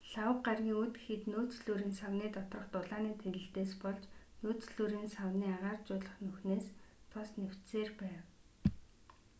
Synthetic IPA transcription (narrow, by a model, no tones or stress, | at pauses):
ɬawə̆qɢarɣʲiːŋut̪ɡexɘ̆t̪noːt͡sɮuːɾiːnsawniːt̪ɔt̪rɞ̆χt̪ʊɮaːniːt̪ʰeɣɘ̆ɬt̪eːspɔɮt͡ɕnoːt͡sɮuːɾiːnsawniːaʁaːrt͡ɕʊːɮə̆χnɵxneːst̪ʰɔsnew̥t̪seːrpæːw